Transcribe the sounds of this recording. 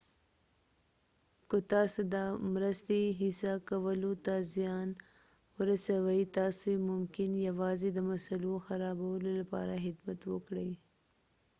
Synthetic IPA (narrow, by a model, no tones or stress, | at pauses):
kət̪ɑsod̪amɾəst̪eɦɪsakawəlot̪azijɑn | wəɾasawajt̪ɑsomʊmkɪnjawɑːzed̪əmasaloxaɾɑbawəlolapɑ̰ɾaɦɪd̪mat̪wəkɽəj